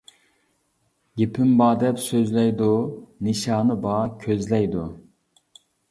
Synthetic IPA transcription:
ɡʲepʰɪmbɑːd̪ɛpsøzlɛjd̪unɨʃɑːnɨbɑːkʲʰøzlɛjd̪u

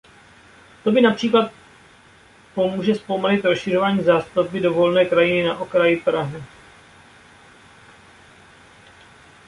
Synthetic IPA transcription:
t̪o̞bɪnapr̝̥iːklat̪̚ | po̞muːʒɛspomalɪt̪ɾosʃɪro̞vaːɲiːzaːst̪up̚bɪdo̞vo̞lnɛːkɾajɪnɪnaʔo̞kɾajɪpɾaɦɪ

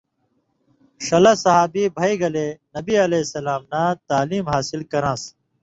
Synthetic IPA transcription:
ʂɐlɐsɐɦaːbibʱɐiɡɐlenɐbiɐlesɐlaːmnat̪aːliːmɦaːsilkɐɾãːs

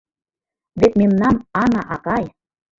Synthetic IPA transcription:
βet̪memnɑmɑnɑʔɑkɑj

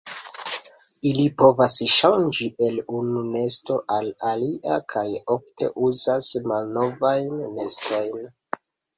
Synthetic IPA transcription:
ilipo̞vasʃand͡ʒiʔe̞lunune̞sto̞ʔalaliʔakʰajo̞ftʰe̞̰ʔuzasmalno̞vajnːe̞stʰo̞jn

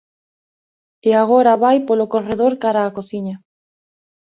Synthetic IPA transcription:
eaɣ̞oɾaβajpolokoreðoɾkaɾaːkoθiɲa

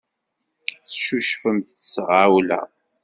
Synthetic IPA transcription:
θʃuʃfəmθə̥sʁawlæ̰

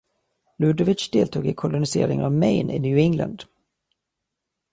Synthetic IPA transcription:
lʉːd̪ɔvɪt͡ʃd̪eːlt̪ʰuːɡɪkʰʊlʊnɪseːɾɪŋənavmɛjnɪ̰njʉːɪŋla̰nd̪

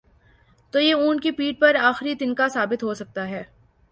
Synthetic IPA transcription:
t̪oːjeuːnkipiːʈ̚pɐɾaːxɾit̪ɪnkasaːbɪt̪ɦoːsɐk̚t̪aɦɛː

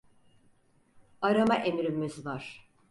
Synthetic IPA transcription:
aɾamaʔemiɾymːyzvaɾ̥

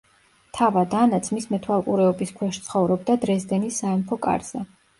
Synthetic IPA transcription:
t̪ʰavad̪anat̪sʰmismɛt̪ʰwalˠkʼuɾɛɔbiskʰwɛʃt̪sʰχɔvɾɔbd̪ad̪ɾɛzd̪ɛnisːaɛmpʰɔkʼa̰ɾz̥ɛ

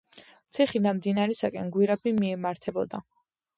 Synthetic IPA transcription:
t̪sʰiχid̪anmd̪inaɾɛsakʼɛnɡwiɾɛbimiɛmaɾt̪ʰɛbɔd̪a

